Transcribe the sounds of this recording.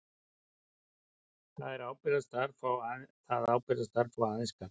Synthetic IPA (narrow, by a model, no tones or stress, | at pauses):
θaðɛɾawpɪðast̪aɾfawθaðawpɪðast̪aɾfawaðɪskaɾ